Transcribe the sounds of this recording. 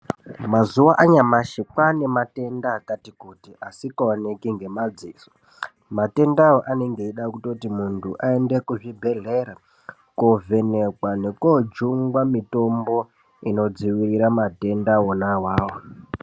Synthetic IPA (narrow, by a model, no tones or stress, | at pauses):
mazuwaʔaɲamaʃikwane̞mate̞ndaːkatikutiʔasikaonekiŋɡe̞mad͡ziːzo | mate̞ndawoʔaneŋɡeiɗakutotimuntʰuʔae̞nde̞kuʐibʱe̞ɮe̞ɾa | kovʱe̞ne̞kwane̞kod͡ʒuŋɡwamito̞mbo̞ | ino̞d͡ziwiriɾamate̞ndawonawaːwo